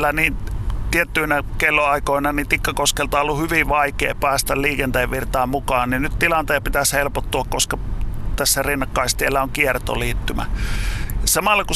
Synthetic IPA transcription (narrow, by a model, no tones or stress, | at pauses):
lːæniːnt̪iet̪ːyinækelːoɑikoˑinɑnit̪ikːɑkoskelt̪ɑolːuhyʋiʋʋɑikḛːpæːst̪ælliːkent̪eːʋʋirt̪ɑːmmukɑːnninnytt̪ilɑnt̪eːpit̪æshelpot̪ːuɑkkoskɑt̪æsːærinːɑkːɑist̪ielːæoŋkiert̪o̰liːt̪ːymæ̰ | jɑsɑmɑlːɑku